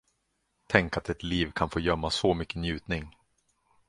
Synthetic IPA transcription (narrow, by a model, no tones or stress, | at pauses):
t̪ʰɛŋkat̪ɛt̪liːvkʰanfoːjœmːasɔmʏkːənjʉ̟ːt̪nɪŋ